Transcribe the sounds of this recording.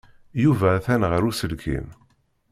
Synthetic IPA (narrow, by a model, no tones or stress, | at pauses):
juvæːθænʁəɾusəlkʰḭm